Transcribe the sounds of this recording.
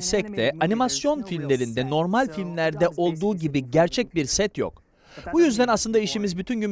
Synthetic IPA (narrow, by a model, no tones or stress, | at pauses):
sɛc̚t̪ʰɛanimasjo̞nfilʲmlʲe̞ɾind̪ɛno̞ɾmalʲfilʲmlʲæɾd̪ɛʔo̞lˠd̪uːɟibiɟæɾt͡ʃʰɛc̚biɾsɛt̪jo̰k | bujyzd̪ænaslˠɯnd̪aiʃimizbyt̪ʰynɟym